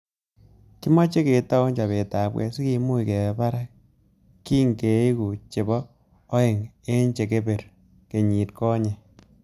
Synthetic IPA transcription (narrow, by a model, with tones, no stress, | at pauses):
ki˦ma˦t͡ʃe˦ke˨ta˦ɲt͡ʃa˨βe˨taː˨bwɛ̰˨si˦ki˧mu˦ike˨pa˦ɾa˦k | kːiː˦ŋe˨˦i˦ku˨t͡ʃe˨bɔː˦ | e˨ŋ | e˦ɲt͡ʃe˨ke˦be˨ɾ | ke˨ɲi˨tkɔ˦ɲe˨